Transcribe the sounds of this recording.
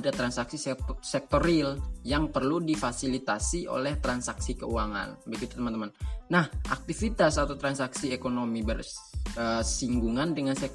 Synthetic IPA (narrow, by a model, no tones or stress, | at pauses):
dat̪ɾansaksissɛk̚t̪oɾiljaŋpərludifasilit̪asiʔo̰lɛht̪ɾansaksikəuaŋa̰nbəɡit̪u̥t̪əmant̪əmannahʔa̰k̚t̪ifit̪asat̪awt̪ɾansaksiekonomibərəsiŋɡuŋandəŋansɛk̚